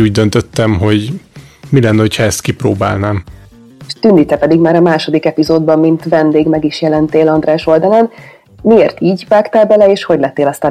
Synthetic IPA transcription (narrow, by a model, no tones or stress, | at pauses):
uːɟ̚d̪ønt̪øt̪ːɛmɦo̞ɟmilɛnːɛho̞cʰhɒɛst̪kiproːba̰ːlnaːm | ʃt̪ynd̪iːt̪ɛpɛd̪iɡmaːɾɒmaːʃo̞d̪ikɛpizoːd̪̚bɒmːint̪vɛnd̪eːɡmɛɡiʃjɛlɛnt̪eːlɒnd̪ɾɛːʃo̞ld̪ɒlɒn | mieːrt̪iːɟvaːkt̪aːlbɛlɛeːʃho̞ɟlɛt̪ːeːlɒst̪aː